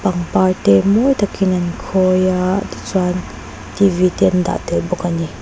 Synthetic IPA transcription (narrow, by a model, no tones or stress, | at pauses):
paŋpaɹtɛmɔjt̪akinɐnkʰɔjaʔt̪i̥t͡suan | tivit̪ɛnd̪a̰ʔt̪ɛlbɔkani